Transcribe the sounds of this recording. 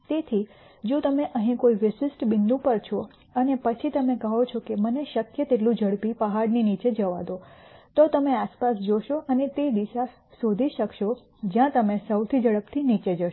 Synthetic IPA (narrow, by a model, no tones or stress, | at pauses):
t̪et̪ʰi | d͡ʒũt̪əmeʔəɦĩkoiʋɪʃɪsʈbɪnd̪ũpəɾt͡ʃʰo | ənepət͡ʃʰit̪əmekəɦot͡ʃʰokeməneʃəkjət̪eʈlũd͡ʒəɽpipəɦaɽninit͡ʃed͡ʒəʋa̰d̪ot̪ot̪əmeaspasd͡ʒoʃoʔənet̪ed̪iʃa | sod̪ʱiʃəkʃo | d͡ʒjãt̪əmesəwt̪ʰid͡ʒəɭəbt̪ʰinit͡ʃed͡ʒəʃ